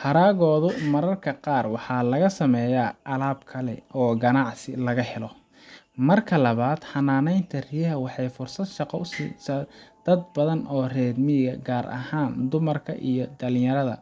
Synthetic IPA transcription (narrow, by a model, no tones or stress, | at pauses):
hɐɾaːɣɔːðʊmɐɾɐrkʰɐqɑːrwɑħɑːlɐɣɐsɐmɛjaʔɐlaːbkʰɐlɛ̰ʔɔːɡɐnɑʕsɪlɐɣɐhɛlɔ | mɐrkʰɐlɐβaːd̪̥ħɐnaːnɛjnt̪ʰɐrɪjɐɦɐwɑħɑjfʊrsɐd̪ʃɑqɔʊsḭːsaːd̪̥ɐd̪̚bɐðɐnɔːrɛːd̪mɪɣɐɡaːɾʔɐ̰haːnd̪ʊmɐrkʰɐ̰ʔḭjɔd̪ɐlɪ̃jɐɾɐðɐ̰